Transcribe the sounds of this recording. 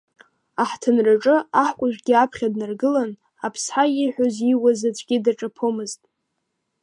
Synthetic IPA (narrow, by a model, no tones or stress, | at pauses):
aħtʰɨnraʈ͡ʂʼɨaħkʷʼʊʒʷᶣɡʲiapʰχʲadnarɡɨlan | apʰsħajiħʷᶣoziwazat͡ɕʷʰʼɡʲidaʈ͡ʂʼapʰomɨztʼ